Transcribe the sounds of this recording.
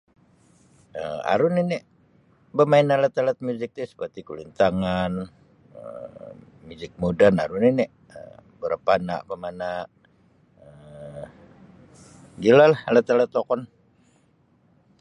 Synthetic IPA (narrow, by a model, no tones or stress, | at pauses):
əma̰ɾʊninɪʔ | bəmaɪnalət̪alət̪̚muzɪk̚t̪isə̥pərt̪ikulint̪aŋan | ə̰ | muzɪk̚modanaɾuninɛ | ə̰bəɾapana̰ʔbəmanaʔ | ə | ɡilalahalət̪alət̪ːokɔn